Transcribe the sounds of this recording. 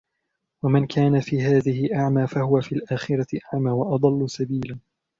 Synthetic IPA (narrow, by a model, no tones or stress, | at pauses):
wamɪnkʰaːnafiːɦaːðɪhɪʔaʕmaːfahʊwafiːlʔaːxɪɾaɪʔaʕmaːwɑʔɑd̪ˤɑlːʊsabiːlan